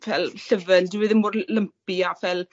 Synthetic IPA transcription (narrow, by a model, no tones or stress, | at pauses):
vɛlˠɬəvɛndɪwɪðɪnmʊrləmpiavɛlˠ